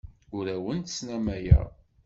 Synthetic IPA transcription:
ʊɾæwənt̪snæmæjæ̰

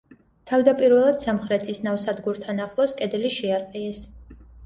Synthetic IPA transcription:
t̪ʰavd̪apʼiɾvɛlˠad̪̥samχɾɛt̪ʰisnavsad̪ɡuɾt̪ʰanaχlˠɔskʼɛd̪ɛliʃiaɾqʼiɛs

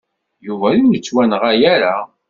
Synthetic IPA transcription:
juvæjijət͡sːwænəʁæjæɾa

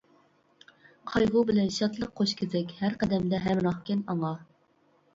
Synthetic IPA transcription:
qʰɑjʁubɪlɛnʃɑt̪lˠəqʰːoʃkʲʰɪzɪkʲhæɾqæd̪ɛmd̪ɛɦæmɾɑχkʲɛnɑŋɑ

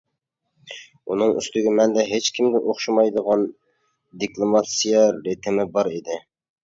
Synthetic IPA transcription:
unɨŋy̰st̪ɪɡʲɪmɛnd̪ɛɦet͡ʃkʲʰimɡ̪ʲɪʔoχʃɑmɑjd̪əʁɑn | d̪iklˠomɑt̪sijɑɾet̪ʰɪmɪbɑɾid̪ɪ

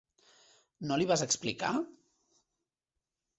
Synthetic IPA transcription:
noliβazəksplika̰

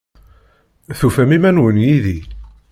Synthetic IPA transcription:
θufæmimænwənjiði

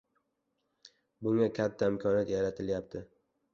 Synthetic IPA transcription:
bʊŋakʲʰat̪ʰːaɪmkʲʰɒnjat̪jaɾat̪ʰɪljap̚t̪ʰɪ

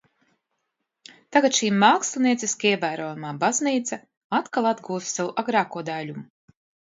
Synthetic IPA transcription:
t̪aɡat̪ʃiːmaːkslˠiniɛt̪sʲiskiɛvæːɾoːjumaːbazniːt̪sa | at̪kalˠad̪ɡuːst̪sawuʔaɡɾaːkuɔd̪alʲumu

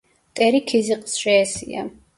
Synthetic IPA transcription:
t̪ʼɛɾikʰiziqʼsʃɛːsḭa̰

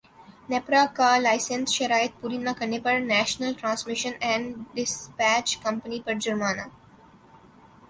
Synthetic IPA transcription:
nepɾakaːlaɪsẽnsʃɐɾaːɪt̪̚pʊɾiːnakɐnepəɾnæːʃnəlʈɾãːnsmɪʃə̃nɛ̃ːɳɖɖɪspæːt͡ʃkʌ̃mpənipɐɾd͡ʒɐɾmaːnaː

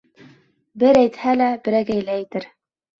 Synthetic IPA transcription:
bɘɾæjt̪hælæbɘ̆ɾæɡæjlæĭt̪ɘɾ

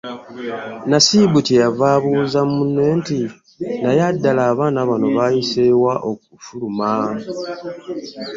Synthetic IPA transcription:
nasibutejavaːβuzamunːe̞ːnti | najadːalaːβaːnaβano̞βaːjisewaʔokufuluma

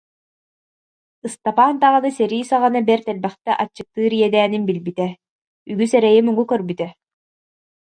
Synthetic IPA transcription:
ɯst̪apaːnt̪aʁɯnɯsɛɾiːsaʁanabɛɾt̪ɛlbɛχt̪ɛʔat͡ɕːɯk̚t̪ːɯːɾijɛd̪æːninbilbit̪ɛ | yɡysɛɾɛjimuɡukœɾbyt̪ɛ

